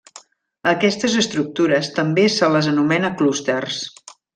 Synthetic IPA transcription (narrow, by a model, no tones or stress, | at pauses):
əkɛst̪əzəst̪ɾuk̚t̪uɾəst̪əmbesələzənumɛnəklust̪ərs